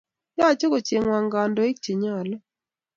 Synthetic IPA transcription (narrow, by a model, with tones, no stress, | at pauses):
ja˦˨t͡ʃo˦ko˨t͡ʃe˨ŋwa˨ŋɡa˨ndo˨˦i˦k̚t͡ʃi˨ɲɔ˦˨lɔ˦